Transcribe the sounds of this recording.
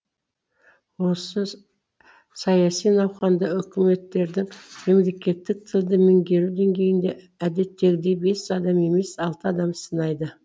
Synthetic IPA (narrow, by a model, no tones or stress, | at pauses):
wo̞sə | sɑjɑsijnɑwχɑnd̪ɑʏkʲɪme̞t̪ːe̞ɾd̪ɪŋme̞mle̞kʲe̞t̪ːɪk̚t̪ʰɪlˠd̪əmɪŋɡʲe̞ɾud̪e̞ŋɡʲe̞jɪnd̪e̞ | æd̪e̞t̪ːe̞ɡʲɪd̪e̞jbe̞sɑd̪ɑme̞me̞sɑlˠt̪əɑd̪ɑmsənɑjd̪ə